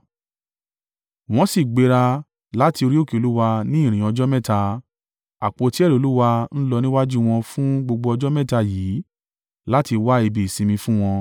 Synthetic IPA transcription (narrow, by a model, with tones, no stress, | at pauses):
w̃ɔ̃˧si˦˨ɡ͡be˧ɾa˧ | la˨˦ti˧o˧ɾi˦o˦˨ke˨o˨lu˦wa˧nĩ˦ĩ˦˨ɾ̃ĩ˨ɔ˧d͡ʒɔ˦mɛ̃˦˨ta˧ | a˨k͡po˧ti˨˦ɛ˦˨o˨˧lu˦wa˧n̩˦lɔ˧nĩ˦wa˦d͡ʒu˦w̃ɔ̃˧fũ˦ɡ͡bo˧ɡ͡bo˧ɔ˧d͡ʒɔ˦mɛ̃˦˨ta˧jiː˨˦ | la˦ti˧wa˦i˧bi˨sĩ˧mĩ˧fũ˦w̃ɔ̃˧